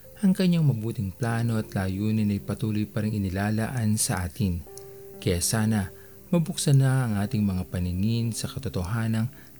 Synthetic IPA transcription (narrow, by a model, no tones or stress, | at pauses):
ʔɐŋkɐɲaŋmɐbuːt̪ɪŋplaːno̞ɐt̪laːjuːnɪnɐjpɐt̪uːlojpaɾɪŋɪnɪlaːlaʔɐnsɐʔaːt̪ɪn | kɐjaːsaːnɐ | mɐbʊksɐnɐʔɐŋʔaːt̪ɪŋmɐŋapɐnɪŋɪnsɐkɐt̪ot̪oɦaːnɐŋ